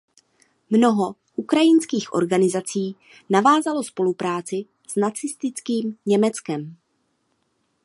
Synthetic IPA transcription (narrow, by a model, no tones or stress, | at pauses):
mno̞ɦo̞ | ʔukɾajɪnskiːxʔoɾɡanɪzat͡siː | navaːzalo̞spo̞lupɾaːt͡sɪ | z̥nat͡sɪst̪ɪt͡skiːmɲɛmɛt͡skɛm